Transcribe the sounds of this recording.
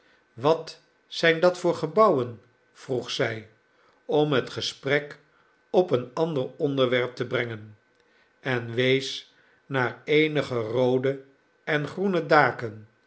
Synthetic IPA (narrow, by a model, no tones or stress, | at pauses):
ʋɑt | sɛjndɑtfʊːɹχəbɑwən | v̥ruχsɛj | ɔmɦətχəsprɛk | ɔpənɑndəɹɔndəɹʋɛɹp̚təbrɛŋən | ɛnʋejs | naːɹejnəχərowdə | ɛnχrunədaːkən